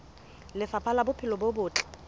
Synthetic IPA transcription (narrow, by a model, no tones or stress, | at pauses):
lɪfapʰalabʊpʰɪlɔbobʊːt͡ɬʼɛ̥